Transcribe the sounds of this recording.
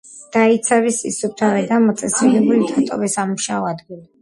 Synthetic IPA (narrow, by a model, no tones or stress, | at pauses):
d̪̥ait̪sʰavisḭsup̚t̪ʰavɛd̪amɔt̪sʼɛsilɛbulid̪at̪ʼɔ̰vɛsamuʃaɔad̪ɡili